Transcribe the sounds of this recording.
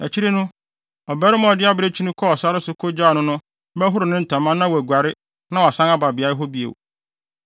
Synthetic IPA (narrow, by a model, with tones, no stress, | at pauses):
æ̰˨t͡ɕʰi˦ɾe˦nʊ̃˦ | ɔ˨bɛ˦ɾɪ˦mã˦ɔ˨dɪ˦a˦bɾe˦t͡ɕʰi˦nʊ̃˦kʰɔ˦ɔ˨sa˦ɾɪ˦sʊ˦kʰo˦d͡ʑaː˦˨nʊ̃˦nʊ̃˦ | bɛ˦ɦʊ˦ɾʊ˨nɪ̃˦n̩˨tʰã˨mːã˦nːã˦wɔ˨æ˨ɡʷa˨ɾɪ˦ | nã˦wɔ˨a˨sã˦ŋa˦ba˨bɪ˨a˨˦ɾɪ˦ɦɔ˦bi˦ḛ˨w